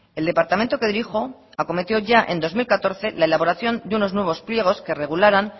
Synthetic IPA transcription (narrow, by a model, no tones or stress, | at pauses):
e̞ld̪e̞paɾt̪ament̪o̞ke̞ðiɾixo̞ako̞me̞t̪jo̞ʝaʔend̪o̞zmilkat̪o̞ɾθe̞laelaβo̞ɾaθjo̞nd̪euno̞znwe̞β̞o̞splje̞ɣ̞o̞ske̞re̞ɣ̞ulaɾan